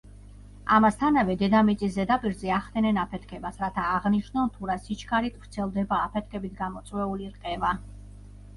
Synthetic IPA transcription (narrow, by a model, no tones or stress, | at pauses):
amast̪ʰanavɛd̪ɛd̪amit̪sʼiszɛd̪apʼiɾzɛaχd̪ɛnɛnapʰɛt̪ʰkʰɛbasɾat̪ʰaːʁniʃnɔnt̪ʰuɾasit͡ʃʰkʰaɾit̪ʰʼvɾt̪sʰɛlˠd̪ɛbaːpʰɛt̪̚ʰkʰɛbit̪ʰɡamɔt̪sʼwɛuliɾqʼɛva